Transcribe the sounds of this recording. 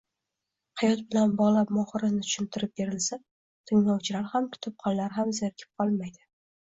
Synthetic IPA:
hajɒt̪̚bɪlanbɒʁlˠapmɒχɨɾɪnɪt̪ʰʊ̥ʃɪnt̪ʰɪɾɪp̚be̞ɾɪlsa | t̪ʰɪŋlɒwt͡ʃʰɪlaɾhamkʰʊ̥t̪ʰɪp̚qʰɒllaɾɦamzɪɾkʲʰɪ̥p̚qʰɒlˠmajd̪ɪ

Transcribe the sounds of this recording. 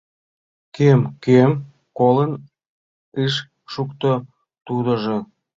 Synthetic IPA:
kemkem | kolən | ɨʃ | ʃukt̪o | t̪ud̪ə̆ʒe

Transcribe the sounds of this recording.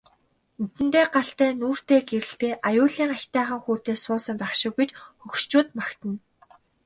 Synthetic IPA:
nɵt̪ɘ̆nt̪eːɢaɬt̪æːnuːr̥t̪eːɡeɾɘ̆ɬt̪eːʔajʊːɮiːŋaxʲt̪æːχə̆ŋxuːt̪eːsʊːsə̆mpæχʃɪ̆kːujt͡ɕxɵkʃt͡ɕʊːt̪makt̪ə̆n

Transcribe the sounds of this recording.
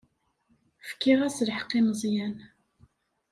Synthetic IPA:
fkːiʁæslħəqːimzˤjæn

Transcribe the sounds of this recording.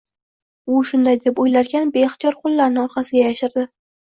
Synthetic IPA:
ʊʃʊnd̪ajd̪e̞pojlaɾɡʲanbeɪχt̪ʰijɒɾqʰolˠːaɾnɪɒɾqʰɑsɪɡʲajaʃɪɾd̪ɪ

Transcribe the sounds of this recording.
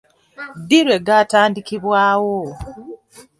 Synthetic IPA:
diɾwe̞ɡataːndikiβwaːwo

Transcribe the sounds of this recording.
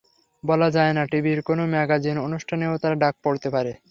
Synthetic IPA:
bɔlad͡ʑaenaʈibiɾkonomɛɡad͡ʑinonuʃʈʰaneot̪aɾaɖak̚poɾt̪epaɾe

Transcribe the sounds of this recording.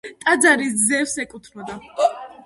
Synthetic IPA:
t̪ʼad̪zaɾiszɛfsɛkʼut̪ʰnɔd̪a

